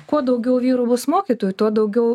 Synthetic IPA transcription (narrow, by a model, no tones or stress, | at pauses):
kuɔd̪ɐʊɡʲɛʊʋʲiːɾubʊsmoːkʲit̪oːjut̪uɔd̪ɐʊɡʲɛʊ